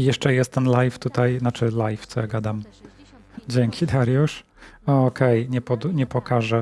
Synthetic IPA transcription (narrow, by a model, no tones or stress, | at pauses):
jɛʂt͡ʂɛjɛst̪ɛnlajft̪ut̪ajnat͡ʂɘlajft̪sɔjaɡad̪am | d͡ʑeŋkʲʰid̪aɾjuʂ | ɔɔkɛjɲɛpɔd̪uɲɛpɔkaʐɛ